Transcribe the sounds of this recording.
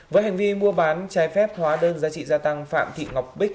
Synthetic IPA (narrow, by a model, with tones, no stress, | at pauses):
vəː˨˦jɦa˨˩ŋ̟vi˧mu˧əɓaː˨˦nt͡ɕaː˨˦jfɛ˦˥p̚hwaː˨˦ɗəː˧nzaː˨˧t͡ɕḭ˧˨zaː˧t̪a˧ŋfa̰ː˧˨mt̪ʰḭ˧˨ŋa˨˩wk͡p̚ɓï˦˥k̚